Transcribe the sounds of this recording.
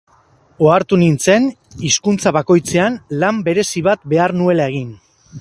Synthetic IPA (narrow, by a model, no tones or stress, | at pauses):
o̞aɾt̪unint͡se̞n | iskunt͡saβako̞jt͡se̞anlambe̞ɾe̞siβat̪be̞aɾnue̞lae̞ɣ̞in